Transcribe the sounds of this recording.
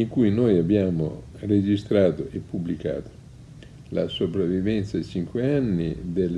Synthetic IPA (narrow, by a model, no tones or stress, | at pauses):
iŋkujnojabːjaːmo̰ | red͡ʒist̪ɾaːt̪oʔepːublika̰ːt̪o̥ | la̰sopɾavːivɛnt̪sad̪it͡ʃiŋkweanːḭd̪el